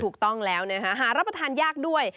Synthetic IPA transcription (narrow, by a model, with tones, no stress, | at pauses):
uː˨˩k̚t̪ɔ˥˩ŋlɛː˦˥wna˦˥kʰa˦˥ɦaː˩˦ɾa˦˥p̚ɾa˧t̪ʰaː˧njaː˥˩k̚du˥˩əj